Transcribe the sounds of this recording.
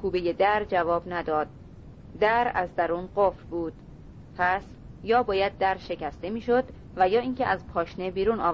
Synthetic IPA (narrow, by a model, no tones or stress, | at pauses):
kʰuːbejed̪æɾd͡ʒævɒːbnæd̪ɒːd̪̥̚ː | æɾæzd̪æɾuːnɢofɾbuːd̪̥ | pʰæs | jɒːbɒːjæd̪̚ːæɾʃe̞cʰæst̪e̞miːʃo̞d̪ | væjɒːiːŋcʰeʔæzpʰɒːʃnebiːɾuːnɒ̰ː